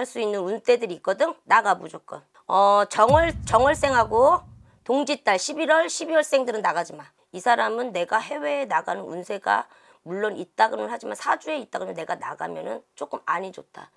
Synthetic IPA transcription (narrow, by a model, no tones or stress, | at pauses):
aɭs͈uinːɯnunt͈edɯɾik͈ʌdɯŋnaɡamud͡ʑʌk͈ʌn | ʌt͡ɕʌŋɯɭt͡ɕʌŋʌɭs͈e̞ŋɦaɡo | toŋd͡ʑit͈aɭɕʰibiɾwʌɭɕʰibiwʌɭs͈e̞ŋdɯɾɯnːaɡad͡ʑiman | isʰaɾamɯnːe̞ɡahe̞we̞ːnaɡanɯnṵnsʰe̞ɡa̰ | muɭːonit̚t͈aɡɯnɯnhad͡ʑimansʰad͡ʑue̞it͈̚aɡɯmʌne̞ɡana̰ɡa̰mjʌnɯnt͡ɕ͈ok͈ɯmaɲid͡ʑot̚t͈ʰa̰